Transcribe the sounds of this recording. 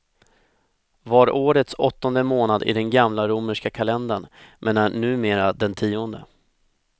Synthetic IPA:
vɑɾoːɾət̪sɔt̪ːɔnd̪əmoːnad̪ɪ̰d̪ɛnɡamlaɾʊməʂkakʰalɛnd̪anmʔɛːnæɳʉ̟ːmeːɾad̪ɛnt̪ʰiːɔnd̪ə̰

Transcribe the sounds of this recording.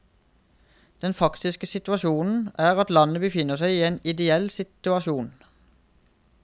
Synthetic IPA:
d̪̥ɛnfɑkt̪ɪskəsɪt̪ʉɑʃuːnn̩æːʁɑt̪lɑnəbəfɪnːəʁsæɪiːeːnɪd̪ɛɛlsɪt̪ʉɑʃuːn

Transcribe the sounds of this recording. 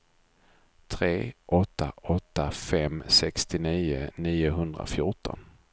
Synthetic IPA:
t̪ʰɾeːʔɔt̪ːaʔɔt̪ːafɛmsɛkst̪ɪniːʊniːʊɦɵnd̪ɾa̰fjʊʈɔ̰n

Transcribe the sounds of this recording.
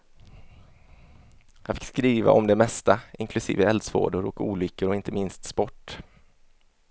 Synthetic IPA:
jafɪkskɾiːva̰ʔɔmd̪ɛmɛst̪aʔɪŋkʰlɵsḭːvəɛld̪svo̰ːɖʊɾɔkuːlʏkːəɾɔɪnt̪ʰəmɪnst̪spɔʈː

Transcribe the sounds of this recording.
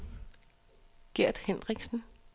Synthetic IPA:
ɡ̥eɐ̰d̥henʁiɡ̥sn̩

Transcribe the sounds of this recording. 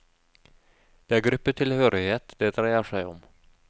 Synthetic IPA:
d̪̥eːæːɾɡɾʉpːət̪ʰɪlhøːɾɪheːt̪d̪ɛːd̪ɾæɪəʂæɪɔ̰m

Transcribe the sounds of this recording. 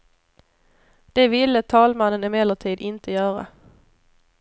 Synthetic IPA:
d̪̥ɛvɪlːət̪ʰɑːlmanːənɪmɛdləʈ̪ʰiːd̪ɪnt̪ʰəjœːɾa̰

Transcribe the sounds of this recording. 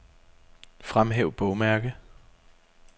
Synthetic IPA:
fʁamɦeʊb̥ɔʊmæɐɡ̥ə

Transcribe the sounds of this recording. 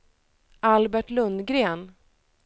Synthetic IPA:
ʔalbæʈlɵnd̪ɡɾeːn

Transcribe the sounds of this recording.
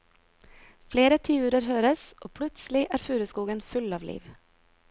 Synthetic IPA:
fleːɾət̪ʰiːʉːɾəɾhøːɾəsʔoːpʰɽʉt̪slɪʔæːɾfʉːɾʉskuːɡənfʉlɑːʋlḭːʋ

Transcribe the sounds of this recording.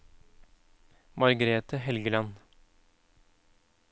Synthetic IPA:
mɑɾɡəɾeːt̪əhɛlɡəlɑn

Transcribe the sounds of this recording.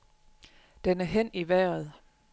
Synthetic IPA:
d̥enæɐɦen̰iʋæːɐð̞̩ˠ

